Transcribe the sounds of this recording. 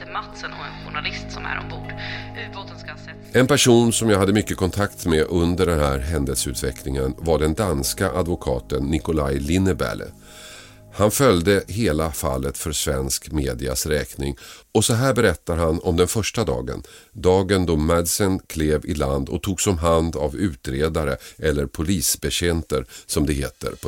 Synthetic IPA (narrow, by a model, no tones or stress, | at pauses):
mat̪sənɔɛnɧʊɳalɪst̪sɔmæ̰ɾɔ̰mbuːɖvasɔmskaɛ | ɛnpæʂuːnsɔmjaɦad̪ːəmʏkːəkʰɔnt̪ʰakt̪mɛʔɵnd̪əɖɛnɦæːɾɦɛnd̪əlsəʉ̟ːt̪vɛkʰlɪŋənvaɖɛnd̪anskaʔad̪vʊkʰɑ̰ːt̪ənːɪkʊlajlɪnːəbæ̰l̰ | hanfœljd̪əɦeːlafa̰lːət̪fœɾsvɛnskmeːd̪ɪa̰sɾɛːknɪŋ | ɔsɔɦæːɾbɛɾɛt̪ːaɾɦanɔmd̪ɛnfœʂʈad̪ɑ̰ːɡə̰nd̪ɑːɡənd̪ɔmɛd̪sənkʰleːvɪland̪ɔ̰t̪ʰuːɡsɔmɦand̪avʉ̟ːt̪ɾeːd̪aɾəʔɛlːəɾpʰʊliːsbɛɕɛnt̪əɾsɔmd̪ɛɦeːt̪ə̰ɾpʰ